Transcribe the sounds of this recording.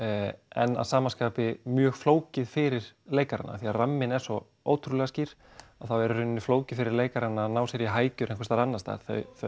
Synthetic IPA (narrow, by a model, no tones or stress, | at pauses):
ɛ̰nːa̰ðsaːmanskaːpɪmjœːɣfloːwcɪðfɪɾɪɾ̥leːjkaɾa̰na̰θiaramːɪnɛn̥sɔ | o̰ːwt̪ʰɾulɛɣasciːɾ̥ | aθawɛɾʏɾʏnnːɪfloːwcɪfɪɾɪɾleːjkaɾanːanaːwsɛɾjiɦaːjcʏɾɛ̃jŋkfɛst̪aɾanːast̪a̰̥θœ̰ɥθ